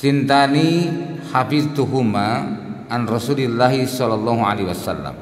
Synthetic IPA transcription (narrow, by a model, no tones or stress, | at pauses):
t͡ʃint̪ani | hafift̪uɦuma | anrɔsulilːaɦisɔlːalˤːɔɦuʕalewasa̰lːa̰m